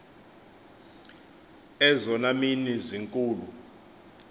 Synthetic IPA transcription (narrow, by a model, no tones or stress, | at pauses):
ɛzɔnaminiziŋkʼuːlu